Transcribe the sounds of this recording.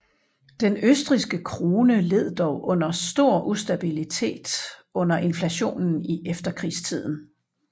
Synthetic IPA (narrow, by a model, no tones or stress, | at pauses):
d̥enøsd̥ʁisɡ̥əkʰʁo̝ːnəle̝ð̞̰ˠd̥ɒʊʔɔ̽n̰ɐsd̥o̝ɐ̰ʔusd̥æb̥ilit͡sʰe̝̰ːd̥ɔ̽n̰ɐʔe̝nflæɕo̝̰ːnn̩iʔefd̥ɐkʰʁḭːst͡sʰið̞̰ˠn̩